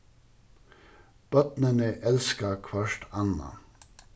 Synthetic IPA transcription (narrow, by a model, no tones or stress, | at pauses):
b̥ɔt̪nənəʔɛlskɑkʰʋɑʃʈʰɑnɑ̰